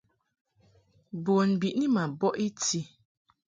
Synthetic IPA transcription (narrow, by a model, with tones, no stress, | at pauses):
bo˨nbi˨ʔni˦ma˨bɔ˦ʔi˦ti˦